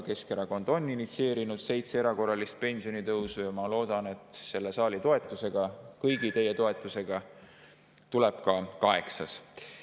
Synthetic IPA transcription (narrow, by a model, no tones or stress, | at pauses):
ke̞skeɾɑko̞nd̪̥o̞nːinit̪sie̞ːɾinud̪̥se̞jt̪seeɾɑko̞rɑlist̪̚pe̞nʲsijo̞nit̪ɤwsujɑmɑlo̞ːd̪̥ɑne̞t̪ˑse̞lːe̞sɑːlit̪o̞e̞t̪ˑːuse̞ɡ̥ɑkɤjɡ̥it̪e̞jːe̞t̪o̞e̞t̪ːˑuse̞ɡ̥ɑ | t̪uleb̥̚kɑkɑe̞̰ksɑs